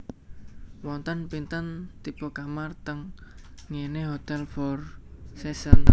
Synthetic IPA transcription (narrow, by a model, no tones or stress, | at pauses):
wɔnt̪ənpint̪ənt̪ipokamart̪əŋː | eneɦot̪ɛlfɔrsɛsən